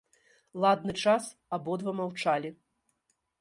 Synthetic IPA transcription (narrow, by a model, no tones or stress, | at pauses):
lˠad̪̚nɨt͡ʂas | abɔd̪vɐmawt͡ʂalʲi